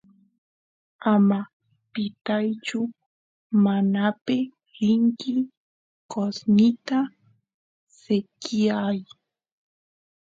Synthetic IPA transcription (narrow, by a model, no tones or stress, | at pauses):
ama | pɪt̪ajt͡ʃʊ | manapɪ | ɾɪŋkɪ | kosnɪt̪a | sekɪaj